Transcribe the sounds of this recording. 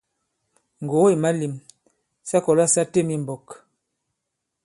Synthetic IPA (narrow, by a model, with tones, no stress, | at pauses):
ŋ̩˨ɡo˨˦i˨ma˦li˨m | sa˦kɔ˨la˦sa˦te˦˨mi˦m˨bɔ˨k